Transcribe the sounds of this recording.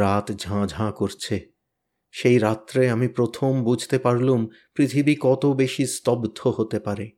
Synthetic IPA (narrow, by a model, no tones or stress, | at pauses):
ɾat̪d͡ʑʱãd͡ʑʱãkoɾt͡ɕʰe | ʃejɾat̪ːɾeamipɾot̪ʰombud͡ʑʱt̪epaɾlum | pɾit̪ʰibikɔt̪obeʃist̪ɔbd̪ʱoɦot̪epaɾe